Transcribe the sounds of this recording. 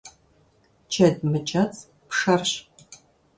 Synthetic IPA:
t͡ʃʰɐdmɨt͡ʃʰʼɐt͡sʼ | pʂɐrɕ

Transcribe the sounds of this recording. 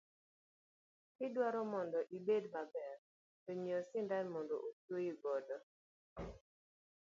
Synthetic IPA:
kɪdwaɾɔmɔndɔʔibedmabɛr | toɲiɔsɪndanmɔndo̰ʔotoiɡɔdɔ

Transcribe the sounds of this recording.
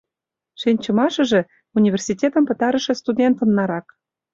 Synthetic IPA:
ʃinʲt͡ɕɤ̆mɑʃɤ̆ʒĕ | unʲivʲersʲitʲet̪ə̆mpɤ̆t̪ɑɾə̆ʃĕst̪udʲent̪ə̆nːɑɾɑk

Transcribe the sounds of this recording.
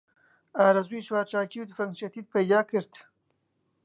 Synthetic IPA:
aːɾɐzwiːʃwaːɾt͡ʃaːkiwd̪ɨfɐŋʃɐt̪id̪̚pɐjd̪aːkɨɾt̪

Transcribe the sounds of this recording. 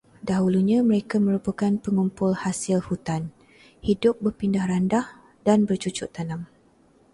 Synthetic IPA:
daɦuluɲãməɾekamə̃ɾupakanpəŋumpʊlhasɪlhut̪an | hidʊp̚bərpindahrandah | danbərt͡ʃut͡ʃʊʔt̪anam

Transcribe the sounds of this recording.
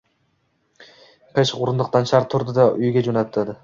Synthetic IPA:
qʰeʃqʊɾʊnd̪ʊq̚t̪ɑnʃʰaɾt̪ʰːʊɾd̪ɪd̪ɑʔʊjɡʲad͡ʒonat̪ʰːad̪ɪ

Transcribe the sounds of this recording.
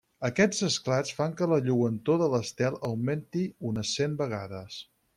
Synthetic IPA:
əkɛd͡zəsklat͡sfaŋkələʎuwənt̪oðələst̪ɛlˠəwment̪iunəsembəɣ̞aðəs

